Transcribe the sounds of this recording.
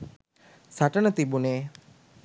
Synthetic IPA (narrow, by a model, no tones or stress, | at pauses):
saʈənət̪ibuneː